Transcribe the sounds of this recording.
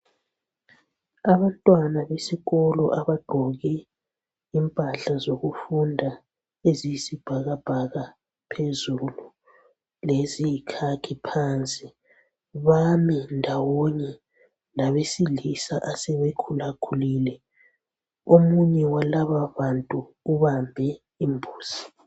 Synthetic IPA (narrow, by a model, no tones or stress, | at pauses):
aβantʼwanaβesiɣɔlɔ̰ʔaβaɡ͡ǃ̥ʱɔɣɛ | impʼaɬazoɣufundʱa | ezijisib̥ʱaɣab̥ʱaɣa | pʰezulu | lezijikʰakʰipʰant͡sʼi | βamindʱawɔɲɛ | laβesilisaʔasɛβekʰulakʰulilɛ | omuɲɛwalaβaβantʼu | uβambʱɛ | imbʱuːz̥i̥